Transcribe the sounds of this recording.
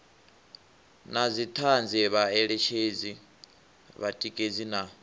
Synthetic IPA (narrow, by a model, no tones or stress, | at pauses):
nazit̪ʰand͡zɛβaɛɺɛt͡ʃʰed͡zi | βatʼikʼed͡zina